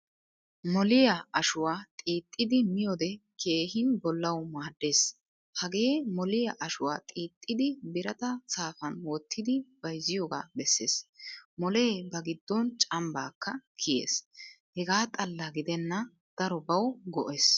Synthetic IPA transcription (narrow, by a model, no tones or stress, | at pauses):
mɔlɪjɐɐʃʊwaːt̪ʼiːt̪ʼːɪd̪ɪmɪjod̪ɛkʰe̞ːɦɪnbɔlːɐwmaːd̪ːe̞ːs | hɐɡe̞ːmɔlɪjɐʔɐʃʊwaːt̪ʼiːt̪ʼːɪd̪ɪbɪɾɐt̪ɐsaːfɐnwɔt̪ʰːɪd̪ɪb̥ɐjzɪjoːɡa̰ːbɛsːe̞̰ːsmɔle̞ːbɐɡɪd̪ːɔnt͡ʃʼɐmbaːkːɐkʰɪjḛːs | hɛɡaːt̪ʼɐlːɐɡɪd̪ɛnːɐ | d̪̥ɐɾɔbɐwɡɔʔes